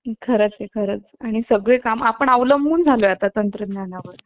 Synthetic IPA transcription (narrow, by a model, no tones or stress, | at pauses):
kʰəɾət͡sekʰəɾət͡saɽ̃isəɡɭekamapəɳəʋləmbuːnd͡zʱaloat̪at̪ənt̪ɾəd̪njanaʋəɾ